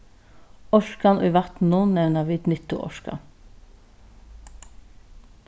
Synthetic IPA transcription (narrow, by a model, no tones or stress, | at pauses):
ɔʃkɑnʔʉːʋæt̪n̩nuːnnɛʋnəʋɪːd̪nɪt̪ʊ̰ʔɔ̰ʃkɑ̰